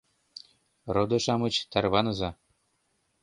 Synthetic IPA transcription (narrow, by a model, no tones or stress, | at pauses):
rod̪ɤ̆ʃɑmɤ̆t͡ɕt̪ærβɑnɤ̆zɑ